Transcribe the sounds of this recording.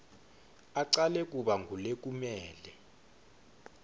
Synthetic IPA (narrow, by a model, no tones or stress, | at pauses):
aǀalɛk̬ʼuɓaŋɡʱulek̬ʼumɛːlɛ